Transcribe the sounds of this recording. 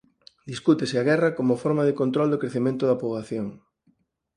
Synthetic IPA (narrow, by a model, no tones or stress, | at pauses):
d̪iskut̪esɪaɣɛrɐkomʊfɔɾmaðekont̪ɾɔld̪okɾeθemẽnt̪ʊðɐpoβlaθjoŋ